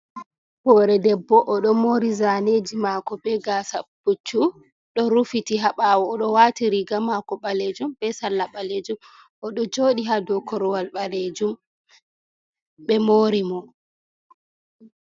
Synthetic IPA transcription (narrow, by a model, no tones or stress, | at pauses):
hɔɾɛdɛbːɔʔːɗɔmoːɾizaned͡ʒimaːkɔɓɛɡaːsab̥ut͡ʃːu | ɗɔɾufitiɦaɓaːwɔːɗɔwaːtiɾiɡamakɔɓaled͡ʒumɓɛsalːaɓaled͡ʒum | ʔɔɗɔd͡ʒoːɗiɦadɔkɔɾɔwalɓaled͡ʒum | ɓɛmoːɾimɔ